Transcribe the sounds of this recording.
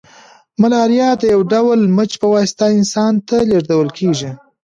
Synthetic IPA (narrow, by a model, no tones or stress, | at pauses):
malɑɾjɑd̪əjawɖawlmət͡ʃpəwɑst̪aɪnsɑnt̪aleʐd̪awəlkʰeʒi